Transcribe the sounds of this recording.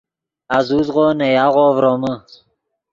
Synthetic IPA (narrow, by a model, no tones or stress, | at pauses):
azuzʁonejaʁovɾomə